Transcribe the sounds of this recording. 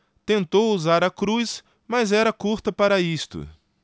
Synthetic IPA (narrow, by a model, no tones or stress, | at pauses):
t̪ẽnt̪owuzaɾɐkɾus | mɐzɛɾɐkuɾt̪ɐpaɾɐist̪ʊ̰